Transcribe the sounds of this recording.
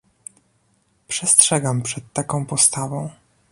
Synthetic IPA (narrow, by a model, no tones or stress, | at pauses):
pʂɛstʂɛɡampʂɛt̪ːakɔ̃w̃pɔst̪avɔ̃w̃